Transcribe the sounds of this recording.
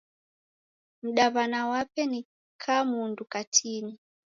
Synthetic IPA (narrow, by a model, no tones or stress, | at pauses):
m̩ɗaβanawapɛni | kʰamundukatʰini